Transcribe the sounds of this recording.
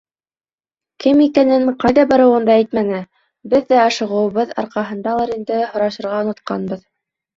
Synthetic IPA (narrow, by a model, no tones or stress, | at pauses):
kɘmikænɘnqɑjðɑbɑɾɤ̆wɤnd̪ɑæjt̪̚mænɘ | bɘðːæɑʃɤ̆ʁɤ̆wβɤðɑ̰ɾqɑɦɤ̆nd̪ɑlˠɑɾind̪ɘhŏɾɑʃɤ̆ɾʁɑŏnŏt̪̚qɑ̰nbɤð